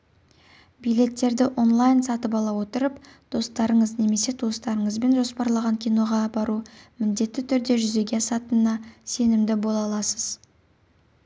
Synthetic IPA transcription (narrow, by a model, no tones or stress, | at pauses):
bijle̞t̪ːe̞ɾd̪ɪʔo̞nlˠajnsɑt̪əp̬ɑlˠɑwo̞t̪əɾəpd̪̥o̞st̪ɑɾəɴəzne̞me̞se̞d̪ʰost̪ɑɾəɴəzbe̞nʒo̞spɑɾlˠɑʁɑŋkʲʰijno̞ʁɑbɑɾumɪnd̪e̞t̪ːɪt̪ʰʏɾd̪e̞ʒʏze̞ɡʲe̞ɑsɑt̪ənːɑse̞nɪmd̪ɪbo̞lˠɑlˠɑsəz̥